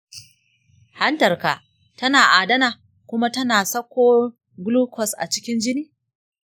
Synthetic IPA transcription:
ha˦ntɐ˨rka˨ʔ | tɐ˦naː˨ʔaː˨dɐ˦naː˨ | kʷʊ˦ma˦tɐ˦naː˨sɐ˦kʷoː˦ | ɡluː˦kɔ˨sʔa̰˨t͡ʃɪ˦kʲɪ˦nd͡ʒɪ˦niː˦

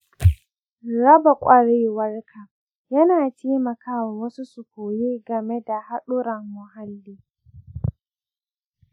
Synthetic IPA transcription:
ɽɐ˦ba˨kʷʼɐ˦ɽeː˦wɐ˦rkʰa˨ | jɐ˦naː˨t͡ʃeː˦mɐ˨kʰaː˦wa˨wɐ˦su˦sʊ˨koː˨jeː˦ɡɐ˨me˦da˨ha˦ɗʊ˦ɾɐ˨ŋːʊ˨ɦa˦lːiː˦

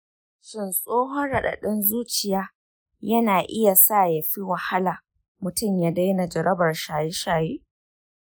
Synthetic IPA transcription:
ʃɪ˦nsʼoː˦ɦɔ˦nɽɐ˨ɗa̰˨ɗɪ˦nzuː˦t͡ʃɪ˨jaː˦ | jɐ˦naː˨ʔɪ˦ja˨sa˦˨ja˨ɸi˦wɐ˨ha˦laː˨ | mʊ˨tʊ˦˨mja˨da˦jna˨d͡ʒɐ˨ɾɐ˦bɐ˨rʃaː˨je˦ʃaː˨jeː˦

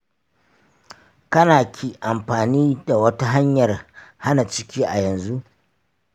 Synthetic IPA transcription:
kɐ˦naː˨kʲʰiː˨ʔa˨mɸaː˨niː˦da˨wɐ˦ta˦ɦa˦ɲjɐ˨rha˦na˨t͡ʃɪ˦kʲiː˦ʔa˨jɐ˨nzu˦ʔ

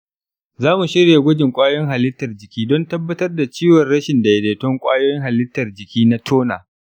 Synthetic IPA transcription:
zaː˦mu˨ʃɪ˦ɽa˨ɡʷʊ˦d͡ʒɪ˨ŋkʷʼaː˦jɔ˦ŋɦa˨lɪ˦tːɐ˨rd͡ʒɪ˨kʲiː˦dɔ˦ntɐ˦bːɐ˦tɐ˦rda˨t͡ʃiː˦wɔ˨rɽɐ˦ʃɪ˨nda˨jɛ˨deː˨tɔ˦ŋkʷʼa̰ː˦joː˦jɪ˦ŋɦa˨lɪ˦tːɐ˨rd͡ʒɪ˨kʲiː˦na˦tʰoː˦na̰ː˨

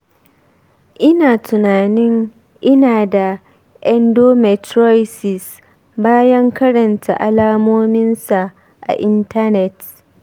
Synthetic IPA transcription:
ʔɪ˦naː˨tʊ˨naː˨nɪ˦ŋ | ʔɪ˦naː˨da˨ | ʔɛ˦ndoː˦mɛ˨tɾɔ˦jsɪ˨s | baː˦jɐ˦ŋkɐ˦ɽɐ˨nta̰˨ʔa˨laː˦moː˦mɪ˦nsa˨ | ʔa̰˨ʔɪ˦nta˦nɛ˨t

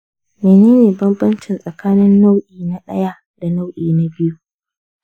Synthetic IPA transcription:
meː˨neː˦neː˨bɐ˦mbɐ˦nt͡ʃɪ˨nsʼɐ˨kaː˦nɪ˦nːa˦wʔiː˨na˦ɗɐ̰˦ja˦ | d̥a˨na˦wʔiː˨na˦bɪ˦ju˦

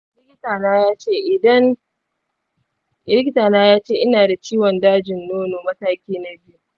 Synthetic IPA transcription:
lɪ˦kʲɪ˦taː˨naː˦jaː˦t͡ʃeː˦˨ʔɪ˨dɐ˦n | ɪ˦lɪ˦kʲɪ˦taː˨naː˦jaː˦t͡ʃeː˦˨ʔɪ˦naː˨da˨t͡ʃiː˦wɔ˨ndaː˦d͡ʒɪ˨nːoː˦noː˨mɐ˦taː˦kʲiː˦na˦bɪ˦ju˨

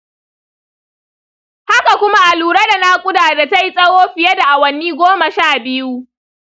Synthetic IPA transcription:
ha˦ka˨kʷʊ˦ma˦ʔa˨luː˨ɾa˦da˨na˦kʷʼʊ˦daː˨da˨ta˦ji˦sʼɐ˦woː˦ɸɪ˨jɐ˦da˨ʔa˨wɐ˨niː˦ɡʷoː˦ma˨ʃaː˦˨bɪ˦ju˦

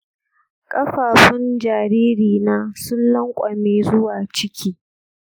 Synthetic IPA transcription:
kʼɐ˦ɸaː˨ɸɪ˦nd͡ʒaː˨ɾiː˦ɾiː˨naː˦sʊ˦nlɐ˦ŋkʷʼɐ˨meː˨zʊ˦waː˨t͡ʃɪ˦kʲʰiː˦

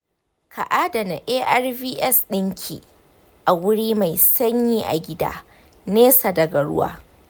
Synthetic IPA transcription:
kʰa˨ʔaː˦dɐ˨na˨ʔeː˦ʔɐ˦rbiː˦ʔɛ˦sɗɪ˦ŋkʲʰḭ˨ | ʔa˨wʊ˦ɽiː˦ma˨jsɐ˦ɲjiː˦ʔa̰˨ɡʲɪ˦da̰ː˦ | neː˦sa˨dɐ˨ɡɐ˨ɽʊ̰˦wa̰ː˦

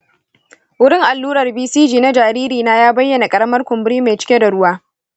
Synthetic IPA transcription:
wʊ˦ɽɪ˦ŋʔa˨lːuː˦ɾɐ˨rbiː˦siː˦d͡ʒiː˨na˦d͡ʒaː˨ɾiː˦ɾiː˨naː˦jaː˦bɐ˦jːɐ˨na˨kʼɐ˦ɽɐ˦mɐ˦rkʷʊ˨mbɪ˦ɽiː˦me˨t͡ʃɪ˦kʲe˦da˨ɽʊ˦waː˦

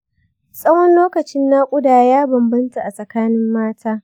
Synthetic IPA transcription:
sʼɐ˦wɔ˦nloː˦kɐ˨t͡ʃɪ˦nːa˦kʷʼʊ˦daː˨jaː˦bɐ˨mbɐ˦nta˨ʔa˨sʼɐ˨kaː˦nɪ˦mːaː˦tʰaː˦

